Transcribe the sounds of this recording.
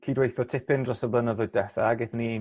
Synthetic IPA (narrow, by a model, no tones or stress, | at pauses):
kʰiːdwejθɔtʰɪpɪndrɔsəblˠənəðʊɨdɛθaɡɪθni